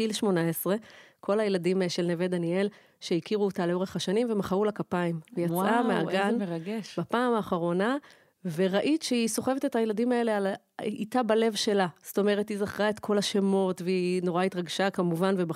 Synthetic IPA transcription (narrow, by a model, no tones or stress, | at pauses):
ilʃmo̞naesʁe̞kʰo̞lajeladimʃe̞lneved̪anie̞l | ʃeikiʁuotaleo̞ʁeχaʃanimve̞maχaulakapaimvejat͡sʔamea̰ɡaneʁaɡeʃbapaːmaːχaʁo̞na | ve̞ʁaʔitʃeiso̞χe̞vete̞thajeladimae̞leal | itabale̞vʃe̞lasto̞me̞ʁethizaχʁae̞tkʰo̞laʃemo̞tveino̞ʁaitʁaɡʃakamuvanveba